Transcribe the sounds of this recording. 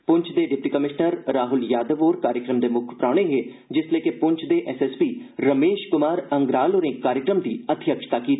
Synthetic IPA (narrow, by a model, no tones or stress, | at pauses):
pʊɲt͡ʃʰd̪eːɖɪp̚ʈiːkəmɪʃnəɾːaːɦʊljaːd̪əʋoːɾkaːɾjəkɾəmd̪eːmʊkʰpɾaːɽ̃eːɦeː | d͡ʒɪsleːkepʊɲt͡ʃʰd̪eːʔɛːsɛspiːɾəmeːʃkʊmaːɾəŋɡɾaːloːɾẽːkaːɾjəkɾəmd̪iːət̪ʰɪjəkʃt̪aːkiːt̪